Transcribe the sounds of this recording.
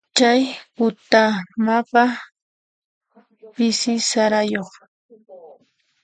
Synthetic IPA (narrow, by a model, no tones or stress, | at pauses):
t͡ʃajhʊt̪amapa | pɪsɪsaɾajoχ